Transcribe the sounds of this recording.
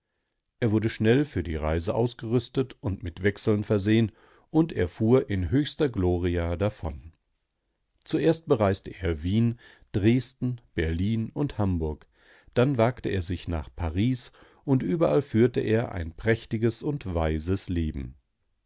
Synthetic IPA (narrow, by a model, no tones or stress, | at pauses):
ʔeːɐvʊɐdəʃnɛlfyːɐdḭːʁaɪzəʔaʊsɡ̥əʁʏstətʊntmɪtv̥ɛksl̩nfɛɐzeːən | ʔʊntʔḛːɐfuːɐʔɪnɦøːçstɐɡloːʁiadafɔ̰n | t͡suʔeːɐst̚b̥əʁaɪstəʔeːɐviːn | d̥ʁeːstn̩b̥ɛɐliːnʊnthambʊɐk | d̥anvaːktəʔeːɐzɪçna̰ːχpʰaʁiːs | ʔʊntʔyːbɐʔalfyːɐtəʔeːɐʔa̰ɪnpʁ̥ɛçtɪɡəsʊntv̥aɪzəsleːbm̩